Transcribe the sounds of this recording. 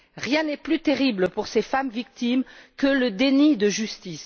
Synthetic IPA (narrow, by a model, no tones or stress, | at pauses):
ʁjɛ̃nɛplyt̪eʁibləpuʁsefamvik̚t̪imkələd̪enid̪əʒyst̪is